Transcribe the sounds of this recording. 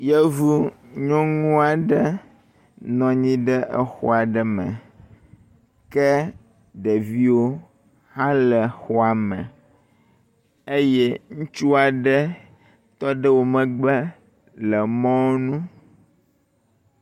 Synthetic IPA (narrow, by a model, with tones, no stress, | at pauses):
jɛ˦vu˦ | ɲɔ̃˦ŋũ˦a˨ɖɛ˦ | nɔ̃˨ɲĩ˦ɖɛ˦ʔə˦xɔ̰˦a˨ɖɛ˦mɛ̰̃˨ | kɛ˦ | ɖɛ˨vi˦wo˦ | hã˦lɛ˨xɔ˦a˨mɛ̰̃˨ | e˦jɛ˦ŋũ˦t͡ʃu˦a˨ɖɛ˦ | t̪ɔ˦ɖə˦wo˨mɛ̃˨ɡ͡bɛ˦ | lɛ˨mɔ̃˦nũ˦